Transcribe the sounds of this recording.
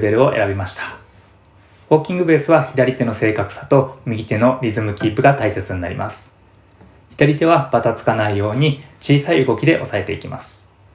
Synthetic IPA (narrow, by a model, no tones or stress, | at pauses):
be̞ɾɯ̟o̞ʔe̞̰ɾabʲimaɕi̥t̪ḁ | bo̞ːkʲĩŋɡɯ̟be̞ːsɨβaçid̪aɾʲit̪e̞no̞se̞ːkakɯ̟̥sḁt̪o̞mʲiɡʲit̪e̞no̞ɾʲizɨmɯ̟kʲipːɯ̟ɡat̪aise̞t͡sɨɲina̰ɾʲḭmʔa̰sɨ̥ | çid̪aɾʲit̪e̞β̞ab̥at̪at͡sɨ̥kanaijo̞ːɲ̟it͡ɕiːsaiɯɡo̞kʲid̪e̞ʔo̞sae̞t̪e̞ikʲima̰sɨ̥